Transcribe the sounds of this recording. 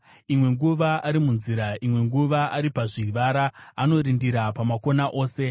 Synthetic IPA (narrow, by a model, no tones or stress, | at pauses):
imwe̞ŋɡuʋaʔaɾimunziɾaimwe̞ŋɡuʋaaɾipaʐiʋaɾaano̞ɾindiɾapamako̞naʔo̞ːse̞